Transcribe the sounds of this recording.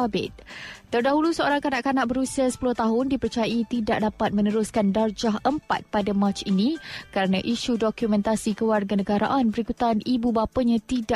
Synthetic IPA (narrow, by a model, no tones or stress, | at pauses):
bɪ̰t̪̚t̪ərdaɦulusəoɾaŋkanaʔkanaʔ̚bəɾusiasə̥puluht̪aɦʊndipərt͡ʃajaʔit̪idaʔ̚dapat̪̚mə̃nəɾʊskandard͡ʒaɦʔəmpa̰t̪̚padamãt͡ʃinĩkəɾanãʔiʃudɔkjumɛ̃nt̪asikəwarɡanəɡaɾa̰ʔanbəɾikut̪anibubapaɲãt̪ida